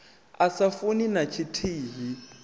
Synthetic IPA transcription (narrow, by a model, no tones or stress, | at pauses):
asafuninat͡ʃʰitʰiːɦi